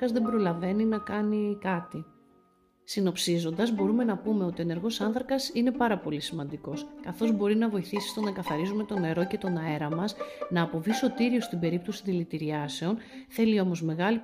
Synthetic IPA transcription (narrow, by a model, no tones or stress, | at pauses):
ɐzðe̞mbɾolɐve̞ninɐkɐnikɐt̪i | sino̞psizo̞nd̪ɐzbo̞ɾume̞nɐpume̞o̞t̪ie̞ne̞ɾɣo̞sɐnθɾɐkɐsine̞pɐɾɐpo̞lisimɐnd̪iko̞skɐθo̞zbo̞ɾinɐvo̞iθisi̥st̪o̞nɐkɐθɐɾizume̞t̪o̞ne̞ɾo̞ce̞t̪o̞nɐe̞ɾɐmɐsnɐːpo̞viso̞t̪iɾio̞st̪ibe̞ɾip̚t̪o̞si̥ðilit̪iɾiɐse̞o̞nθe̞lio̞mo̞zme̞ɣɐli